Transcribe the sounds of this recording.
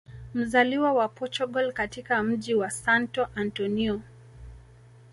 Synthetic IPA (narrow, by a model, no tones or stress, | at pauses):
m̩zaliwawapɔt͡ʃɔɡɔlkatikam̩ʄiwasantɔʔantɔniɔ